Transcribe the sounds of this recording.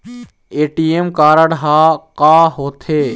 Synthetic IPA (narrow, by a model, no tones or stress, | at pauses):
eːʈiːeːmkaːɾəɽɦaːkaːɦoːt̪ʰeː